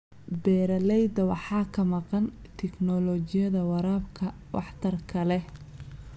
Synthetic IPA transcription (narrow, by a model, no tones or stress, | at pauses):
bɛːɾɐlɛjd̪ɐwɑħɑːkʰɐmɑqɑn | t̪ʰɛknɔlɔt͡ʃɪjɐðɐwɑɾaːbkʰɐ | wɑ̰ħt̪ʰɐrkʰɐlɛ